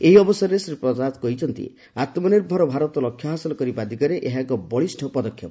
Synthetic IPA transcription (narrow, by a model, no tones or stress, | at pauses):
eɦiɔbɔsɔɾɔesɾipɾɔd͡ʒat̪kɔɦit͡ʃʰɔnt̪ḭ | at̪mɔneɾbʱɔɾɔbʱaɾɔt̪ɔlɔkʰjɔɦasɔlɔkɔɾibad̪ʱikaɾeʔeɦakɔbɔɭisʈʰɔpɔd̪ɔkʰːjɔp